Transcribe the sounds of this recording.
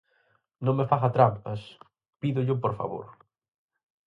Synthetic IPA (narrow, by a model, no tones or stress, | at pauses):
nõŋmefaɣɐt̪ɾampɐs | piðʊʎʊpoɾfa̰βo̰ɾ